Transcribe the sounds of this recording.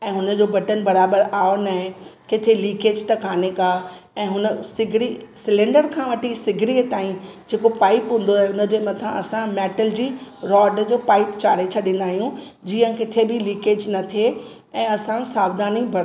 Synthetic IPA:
ɛ̃ːɦʊnə̆d͡ʑoːbɐʈənbɐɾaːbəɾaːonɐɦẽkɪt̪ʰeliːkeːd͡ʑt̪ɐkaːnekaː | ɛ̃ːɦʊnəsɪɡʱɾisɪlẽːɳɖəɾkʰãːʋɐʈʰisɪɡʱɾit̪aːĩd͡ʑeːkopaːɪpɦũːn̆d̪oɦeʊnə̆d͡ʑeːmɐt̪ʰãʔɐsãmɛːʈəld͡ʑiːɾɔːɖd͡ʑoːpaːɪpt͡ɕaːɾet͡ɕʰɐɗĩːn̆d̪aːɦijũd͡ʑiːə̃kɪt̪ʰebɪliːkeːd͡ʑnɐt̪ʰe | ɛ̃ːɐsãsaːbd̪aːnibɐɾ

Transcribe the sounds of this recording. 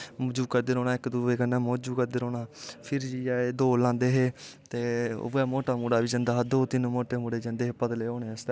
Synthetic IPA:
md͡ʒuːkəɾd̪eɾoːɽ̃aːɪkd̪uːeːkənãːmoːd͡ʒuːkəɾd̪eɾoːnaːpʰɪɾd͡ʒiːaːeːd̪oːlãːnd̪eːɦeːt̪ḛːɛːmoːʈaːmuːɽaːʋiːd͡ʒə̃nd̪aːɦd̪oːt̪ɪnũːmoːʈeːmuːɽeːd͡ʒə̃nd̪eːɦeːpəd̪leːoːneːəst̪ː

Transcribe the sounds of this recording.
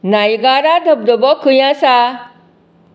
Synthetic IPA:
naːiɡaːɾad̪ʱɐb̚d̪obokʰːujãsa

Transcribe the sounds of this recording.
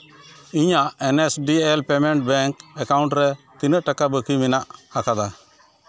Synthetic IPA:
iɲaʔɛnesɖielpɛmɛɳʈ̚bɛŋkɛkawɳʈɾɛt̪inəʔʈakabəkimɛnaʔakad̪a

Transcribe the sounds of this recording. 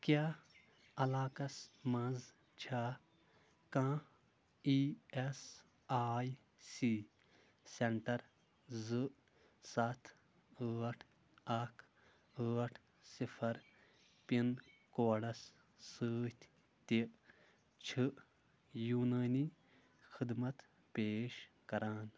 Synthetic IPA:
kjaː | ɐlaːkɐsmɐ̃z | t͡ʃʰaː | kãː | ies | aːj | si | seɳʈɐɾ | zɨʔ | sɐt̪ʰ | əːʈʰ | ɐkʰ | əːʈʰ | sipʰɐɾ | pin | koːɽɐs | səːt̪ʲ | t̪iʔ | t͡ʃʰɨʔ | juːnaːni | xid̪mɐt̪ | peːʃkɐɾaːn

